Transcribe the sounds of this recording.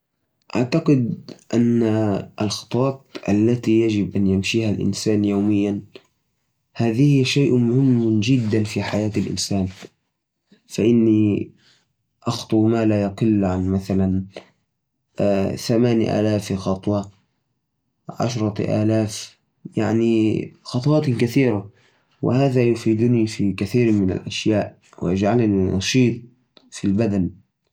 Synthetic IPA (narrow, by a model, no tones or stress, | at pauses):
ʔaʕt̪aqɪd̪ʔanːaʔalxɑ̥t̪ˤwɑːt̪̚ʔalːat̪ijad͡ʒɪbʔanjamʃiːhalʔɪ̰nsaːnjoːmɪjːan | haːðihʃaːʔmʊhɪmːd͡ʒɪd̪ːanfiħajaːt̪ɪlʔɪ̰nsaːn | faʔɪnːi | ʔɑxt̪ˤʊwmaːlajaqɪlːʕanmaθalan | θamaːnʔa̰ːlaːfxɑt̪ˤwɑ | ʕa̰ʃɾˤɑʔa̰ːlaːf | jaʕnixɑt̪ˤwɑːt̪kaθiːɾa | wʔɪ̰haːðajʊfiːd̪ʊnifikaθiːɾmɪna̰lʔaʃjaːʔ | wɪ̰ʔad͡ʒʕalninʔɑ̰ʃiːt̪̚ˤ | filbad̪an